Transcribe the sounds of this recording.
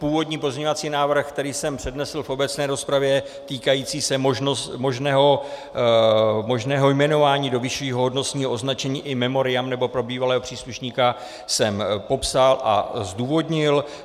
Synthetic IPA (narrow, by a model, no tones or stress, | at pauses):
puːvo̞dɲiːp̬ozɲeɲo̞vat͡siːnaːvr̩xk̚t̪ɛɾiːsɛmpr̥ɛdnɛsl̩fo̞bɛt͡snɛːɾo̞spɾavjɛ | t̪iːkajiːt͡siːsɛmoʒnomo̞ʒnɛːɦo | mo̞ʒnɛːɦo̞jmɛno̞vaːɲiːdo̞vɪʃviːɦo̞ɦodno̞t͡sɲiːɦoʔo̞znat͡ʃɛɲiːʔɪmɛmo̞ɾɪjamnɛbo̞pɾo̞biːvalɛːɦo̞pr̥iːsluʃɲiːka | sɛmpo̞psalʔa̰zduːvo̞dɲɪl